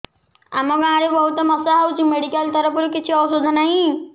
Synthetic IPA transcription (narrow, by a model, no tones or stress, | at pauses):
a̰mɔɡãːɾebɔɦut̪ɔmɔsaɦawt͡ʃʰimeɽikalt̪ɔɾɔp̬uɾukit͡ʃʰiɔbsod͡zʱɔnaɦĩ